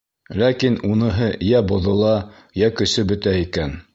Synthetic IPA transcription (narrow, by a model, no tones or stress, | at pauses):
lækinunɤ̆ɦɤjæbŏðɤ̆lˠɑ | jækɵ̆sɵbɵ̆t̪æikæn